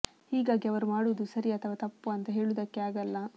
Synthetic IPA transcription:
hiːɡaːɡiɐʋɐɾumaːɽuʋud̪usɐɾiɐt̪ʰɐʋɐt̪ɐpːuɐnt̪ɐɦe̞ːɭud̪ɐkːeaːɡɐlːɐ

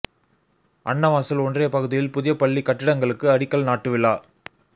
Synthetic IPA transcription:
ʔɐɳːɐʋaːsɪlɔndreːɐpɐɣɯðɪjɪlpʊðɪjɐpɐɭːikːɐʈːɪɽɐŋɡɐɭɯkːɯɐɽɪkːɐɭnaːʈːɯʋɪɭːaː

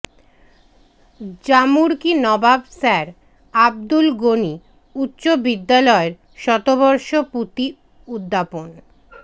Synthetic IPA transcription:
d͡ʑamuɾkinɔbabsɛɾ | ab̚d̪ulɡoni | ut̪ːɕobid̪ːalɔeɾ | ʃɔt̪obɔɾʃoput̪i | ud̪ʱːapon

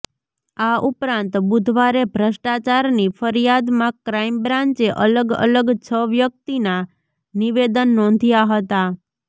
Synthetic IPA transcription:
aupɾãnt̪bud̪ʱʋaɾebʱɾəʃʈat͡ʃaɾnifəɾijad̪mãkɾaimbɾãɲt͡ʃeʔələɡə̰ləɡt͡ʃʰəʋjək̚t̪ina | niʋed̪ənːɔ̃nd̪ʱjaɦət̪a

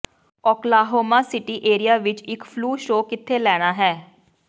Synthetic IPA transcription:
ɔːklaːɦoːmaːsɪʈiːʔeːɾijaːʋɪt͡ʃɪkpʰluːʃoːkɪt̪ʰːeːlɛːɽ̃aːɦɛː

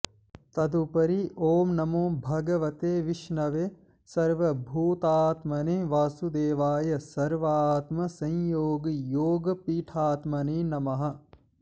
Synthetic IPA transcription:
t̪ɐd̪upɐɾiʔoːmnɐmoːbʱɐɡɐʋɐt̪eːʋiʃnɐʋeː | sɐɾʋɐbʱuːt̪aːt̪mɐneʋaːsud̪eːʋaːjɐsɐɾʋaːt̪mɐsɐ̃jjoːɡɐjoːɡɐpiːʈʰaːt̪mɐneːnɐmɐɦɐ̆

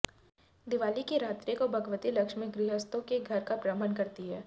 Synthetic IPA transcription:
d̪ɪʋaːlikiɾaːt̪ɾikobʱɐɡəʋət̪ilɐkʃmɪk̚ɡɾiːɦəst̪õkeɡʱɐɾkapɾəmənkɐɾt̪iɦɛː

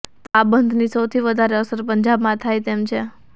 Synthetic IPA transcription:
t̪abənd̪ʱnisəwt̪ʰiʋəd̪ʱaɾeəsəɾpəɲd͡ʒabmãt̪ʰajt̪emt͡ʃʰe

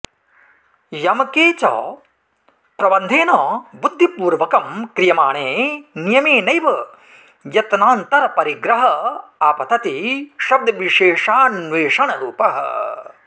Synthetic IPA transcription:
jɐmɐkeːt͡ʃɔ̰ː | pɾɐbɐnd̪ʱeːnɔːbud̪ʱːipuːɾʋɐkɐmkɾijɐmaːɳeːnijɐmeːnɐjʋɐ | jɐt̪naːnt̪ɐɾɐpɐɾiɡɾɐɦɐaːpɐt̪ʰɐt̪iʃɐb̚d̪ʱɐʋiʃeːʂaːnʋeːʂɐɳɐɾuːpɐɦɐ̰

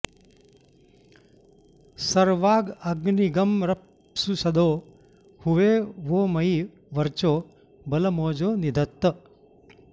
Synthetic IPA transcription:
sɐɾʋaːɡɐɡniɡɐmɾɐp | susɐd̪oː | huʋeːʋoːmɐi | ʋɐɾt͡ʃoː | bɐlɐmoːd͡ʒoːnid̪ʱɐt̪ːɐ

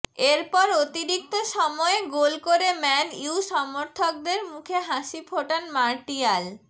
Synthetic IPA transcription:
eɾpɔɾot̪iɾik̚t̪oʃɔmɔeɡolkoɾemɛniuʃɔmoɾt̪ʰok̚d̪eɾmukʰeɦaʃipʰoʈanmaɾʈial

